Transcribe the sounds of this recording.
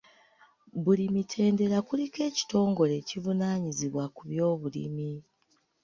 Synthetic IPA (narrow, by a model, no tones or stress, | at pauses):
βulimitʰe̞ːnde̞ɾakulike̞ːci̥to̞ːŋɡo̞le̞civunaːɲiziβwakuβjo̞ːβulḭmi